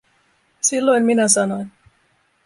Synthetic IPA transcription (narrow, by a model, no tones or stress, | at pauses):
silːo̞jmminæsɑnojn